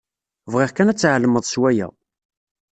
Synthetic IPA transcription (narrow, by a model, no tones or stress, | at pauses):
vʁiʁkænæt͡sːʕəlməðˤswæjæ̰